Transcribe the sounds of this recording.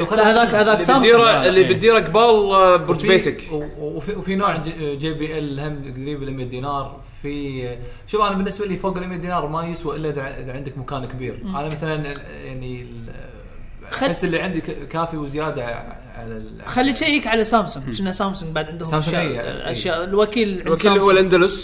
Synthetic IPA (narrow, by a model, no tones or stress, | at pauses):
wxalːaðaːhaðaːaːmiːɾaɪlːibɪt̪̚d̪iːɾakbaːlbʊɾt̪fbeːt̪akːfiwfinoːʕd͡ʒeːbiːʔɛlhamɪɡd̪ɾiːbɪlʔɪmjad̪iːnɑːɾˤ | fi | ʃʊmanbɪnːɪsbaliːfoːɡɪlʔɪmjad̪iːnɑːɾˤmajɪswaʔɪlːaʔɪðaʔɪðaʕɪnd̪ɪkmakaːnkɪbiːɾʔanamaθalan | ja̰ʕni | esːɪlːiʕɪnd̪ikkaːfiwzjaːd̪a | ʕa̰lal | xalːiːt͡ʃejhikʕalasaːmsʊŋʃɪnːasaːmsʊŋɡ̚baʕd̪ʕɪnd̪hsaːmsaʔa̰ʃjaːʔlwakiːlʕwkiːlhwːalʔand̪alʊs